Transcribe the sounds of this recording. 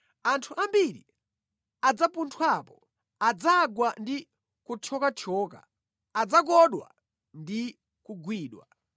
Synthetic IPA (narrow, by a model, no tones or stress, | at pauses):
antʰuʔambiɾḭ | ad͡zapuntʰwapɔ | ad͡zaɡwandi | kut͡ʃʰɔkat͡ʃʰɔːka̰ː | d͡zak̬ɔɗwa̰ | ndi | kuɡwiːɗwa̰